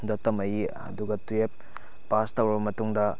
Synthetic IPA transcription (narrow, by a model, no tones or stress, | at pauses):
dɐtɐmɐji | ɐ̰duɡɐtuep̚ː | astɐwɾɐbɐmɐtuŋdɐ